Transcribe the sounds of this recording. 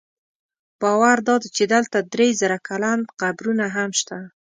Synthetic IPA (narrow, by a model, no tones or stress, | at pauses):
b̥ɑwaɾd̪ɑd̪et͡ʃed̪əlt̪ad̪ɾezəɾakʰalanqabɾunaɦamʃt̪a